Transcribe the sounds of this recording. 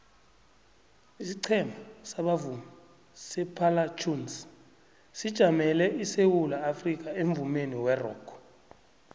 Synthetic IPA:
isiǀʰɛmasaɓavuma | sɛpʰalat͡ʃʰʼuns | sid̥ʒ̥ʱamɛlɛʔisewulaːfrik̬ʼaeɱvumeniwɛrɔ̰ːkʰɔ̥

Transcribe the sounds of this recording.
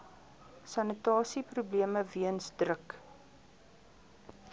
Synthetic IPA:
sɐnətɑːsiprubliəməviənsdrək

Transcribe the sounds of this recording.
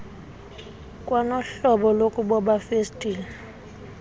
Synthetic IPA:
kʼwanɔɬɔɓɔlokʼuɓɔɓafestʼiːlɛ

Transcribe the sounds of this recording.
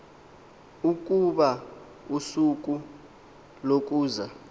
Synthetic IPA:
uk̬ʼuɓa | usuk̬ʼu | lok̬ʼuːza

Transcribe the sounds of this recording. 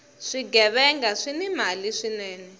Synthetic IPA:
ʂiɡɛβɛŋɡaʂinɛmaliʂinɛːnɛ

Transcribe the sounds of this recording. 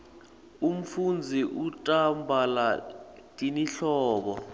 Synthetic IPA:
um̩fund͡zʱiʔutʼambʱalatʼiniɬɔːɓɔ

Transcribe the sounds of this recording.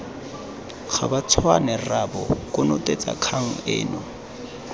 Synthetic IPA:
χʰa̰bat͡sʰwanɛrabɔkʼʊnʊtʼet͡sʼa̰kʰaŋ̩ɪ̰ːnɔ

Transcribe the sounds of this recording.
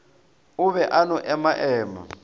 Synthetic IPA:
ʊβɛʔanɔʔɛmaʔɛːma̰

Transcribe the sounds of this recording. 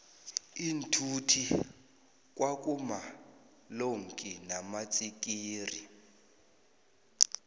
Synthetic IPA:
intʰutʰi | k̬ʼwak̬ʼuma | loŋkʼinamat͡sʼik̬ʼiːri

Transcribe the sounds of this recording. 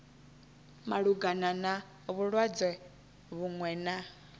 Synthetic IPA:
maɺuɡanana | βuɺwad͡zɛ | βuŋwɛːna

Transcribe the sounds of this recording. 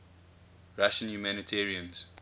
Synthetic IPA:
ɹaʃə̃njumænitʰɛːɹiə̃nz̥

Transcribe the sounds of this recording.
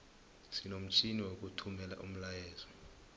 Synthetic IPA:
sinom̩t͡ʃʼiniwok̬ʼutʰumɛla̰ʔṵm̩lajɛːzɔ

